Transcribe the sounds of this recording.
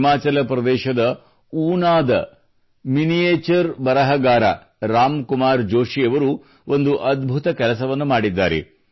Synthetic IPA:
maːt͡ʃɐlɐpɾɐd̪ɛːʃɐd̪ɐ | uːnaːd̪ɐ | minijeːt͡ʃɐɾbɐɾɐɦɐɡaːɾɐ̰ | ɾaːmkumaːɾd͡ʒoːʂiɐʋɐɾu | ond̪uʔɐd̪bʱut̪ɐkɛlɐsɐʋɐnːumaːɽid̪ːa̰ːɾḛ

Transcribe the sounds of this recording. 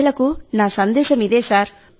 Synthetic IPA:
ɭɐkunaːsɐnd̪eːɕɐmiðeːsaːɾ

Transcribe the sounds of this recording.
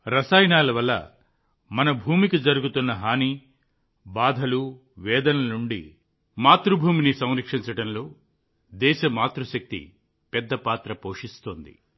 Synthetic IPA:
ɾɐsaːjnaːlɐʋɐlːɐ̰ | mɐnɐbʱuːmikid͡ʒɐɾuɡut̪unːɐɦaːni | baːd̪ʱɐlu | ʋɛːd̪ɐnɐluɳɖḭ | maːt̪ɾubʱuːminisɐ̃w̃ɾɐkʂiɲt͡ʃɐʈɐnlo̞ː | d̪ɛːʃɐmaːt̪ɾuʃɐk̚t̪ḭ | pɛd̪ːɐpaːt̪ɾɐpoːʂist̪oːnd̪ḭ

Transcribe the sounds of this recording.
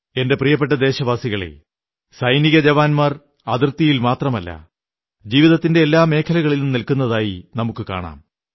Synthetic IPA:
e̞nde̞prijɐp̬ːeʈːɐd̪e̞ːɕɐʋaːsiɣɐɭe̞̰ | sɐjniɣɐd͡ʑɐʋaːnmɐr | ɐðirt̪ijilmaːt̪rɐmɐlːɐ̰ | d͡ʑiːʋiðɐt̪ːinde̞ːlːaːme̞ːkʰɐlɐɣɐɭilnumnilkunːɐðaːjinɐmukːɨka̰ːɳa̰ːm

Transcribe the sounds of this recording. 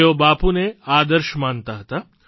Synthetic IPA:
jobaːpuneaːd̪əɾʃmaːnt̪aɦət̪aː

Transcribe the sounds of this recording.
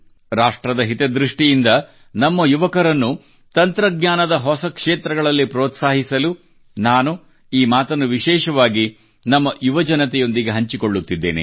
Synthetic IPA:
ɾaːʂʈɾɐd̪ɐɦit̪ed̪ɾiʂʈijind̪ɐ | nɐmːɐjuʋɐkɐɾɐnːu | t̪ɐnt̪ɾɐɡɲaːnɐd̪ɐɦɔsɐkʂeːt̪ɾɐɡɐɭɐlːipɾoːt̪saːɦisɐlu | naːnu | iːmaːt̪ɐnːuʋiʃɛːʃɐʋaːɡi | nɐmːɐjuʋɐd͡ʒɐnɐt̪ɛjo̞nd̪iɡeɦɐɲt͡ʃikoɭːut̪ːid̪ːḛːnḛ

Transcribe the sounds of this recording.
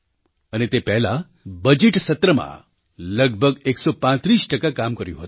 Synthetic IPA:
ənet̪epɛɦla | bəd͡ʒeʈsət̪ɾəmã̰ | ləɡ̚bʱəɡeksɔpãt̪ɾiːsʈəkakamkəɾjṵ̃ɦət̪u

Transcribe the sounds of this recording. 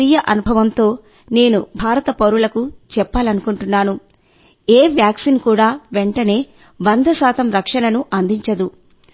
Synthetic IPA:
iːjɐʔɐnubʱɐʋɐnt̪o̞ː | ne̞ːnubʱaːɾɐt̪ɐpɐɾulɐkut͡ʃɛpːaːlɐnukuɳʈunːaːnu | eːʋjaːksinkuːɽaːʋeɳʈɐne̞ː | ʋɐnd̪ɐsaːt̪ɐmɾɐkʂɐnɐnuʔɐnd̪ʱiɲt͡ʃɐd̪u

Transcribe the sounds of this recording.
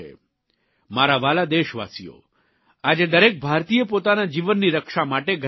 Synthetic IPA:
ḛ | maɾaʋalad̪eʃʋa̰sijo̰ | ad͡ʒed̪əɾek̚bʱaɾt̪ijəpot̪anad͡ʒiʋənːiɾəkʃamaʈeɡʱ

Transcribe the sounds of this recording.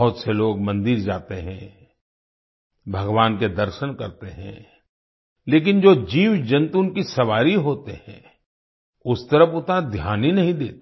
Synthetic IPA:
ɦʊt̪seloːɡmɐ̃nd̪ɪɾd͡ʒaːt̪eɦɛ̃ | bʱɐɡʋaːnked̪ɐɾʃənkɐɾt̪eɦɛ̰̃ | leːk̬ɪnd͡ʒoːd͡ʒiːwd͡ʒɐ̃nt̪unkisɐʋaːɾiɦoːt̪ehɛ̰̃ | ʊst̪ɐɾəfʊt̪nad̪ʱjaːninɐɦĩd̪eːt̪ː

